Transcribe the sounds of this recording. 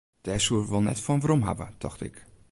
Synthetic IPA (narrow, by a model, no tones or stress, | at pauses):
d̥ɛːɹsuəʋəlˠnɛ̰tfɔnʋaɾɔmɦa̰bə̰d̥ɑ̰χtɪ̰k